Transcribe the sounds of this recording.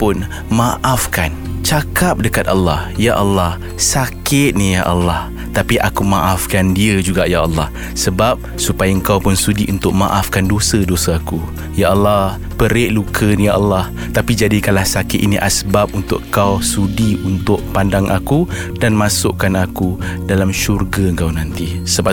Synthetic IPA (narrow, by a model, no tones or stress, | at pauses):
pʊn | maʔafkan | t͡ʃakap̚dəkat̪̚alːɑhjaʔɑlːɑh | sakɪt̪̚nijaʔalːɑh | t̪apiʔakumaʔafkandiəd͡ʒuɡaʔjaʔɑlːɑh | səbap̚supajaəŋkawpʊnsudiʔunt̪ʊʔ̚ma̰ʔafkandosədosəaku | jaʔɑlːɑh | pəɾeʔlukʰənijaʔɑlːɑh | t̪apid͡ʒadikanlahsakɪt̪iniʔasəbap̚unt̪ʊ̰ʔkawsudiunt̪ʊʔ̚pandaŋʔakudanmasʊʔkanakudalamʃurɡaəŋkawnant̪i | səba